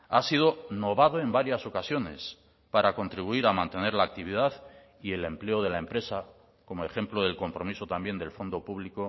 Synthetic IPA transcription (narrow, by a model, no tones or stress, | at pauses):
asið̞o̞no̞βaðo̞e̞mbaɾjaso̞kasjo̞ne̞̰s | paɾako̞nt̪ɾiβuiɾamãnt̪e̞ne̞ɾlaːk̚t̪iβ̞iðaθ | ie̞le̞mple̞oð̞e̞laempɾe̞sa | ko̞moe̞xe̞mploð̞e̞lko̞mpɾo̞miso̞t̪ambje̞nd̪e̞lfo̞nd̪o̞puβliko